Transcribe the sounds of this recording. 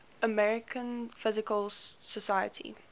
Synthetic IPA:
əmɛɹɪkʰə̃nfɪzɪkəlsɔsajə̰tʰḭ

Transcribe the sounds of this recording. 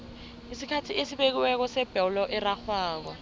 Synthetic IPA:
isikʰatʰiesiɓek̬iwɛk̬ɔsɛb̥ʱɛwlɔʔɛraxaːk̬ɔ

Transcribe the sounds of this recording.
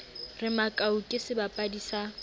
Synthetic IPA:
rɪmakʼaukʼɪsɪbapʼadisa

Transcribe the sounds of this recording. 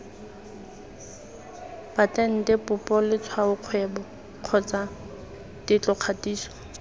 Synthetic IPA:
b̥atʼɛn̩dɪpʊpʼɔlɪt͡sʰwaʊq͡χʰwɛbɔ | q͡χʰɔt͡sa | d̥ɪt͡ɬɔq͡χʰatʼiːsɔ̥

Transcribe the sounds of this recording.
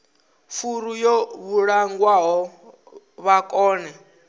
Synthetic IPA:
fuɾujɔβuɺaŋɡwaɦɔ | βakʼɔːnɛ

